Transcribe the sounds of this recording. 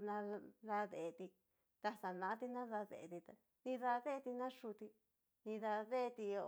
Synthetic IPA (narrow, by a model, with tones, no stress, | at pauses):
nã˧ða˧ðe˨˧t̪i˧ | t̪a˧sa˨nã˧ã˦t̪i˧nã˦ða˧ðḛ˨ʔt̪i˧t̪a˧ | nĩ˧ða˧ðe˦˧t̪i˧nã˦ʂu˧t̪i˧ | nĩ˧ða˧ðe˦˧t̪i˧o˧